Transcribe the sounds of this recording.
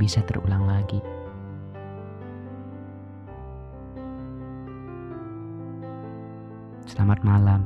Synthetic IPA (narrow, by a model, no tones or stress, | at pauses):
bisat̪ərʔṵlaŋlaɡi | səlamat̪̚malam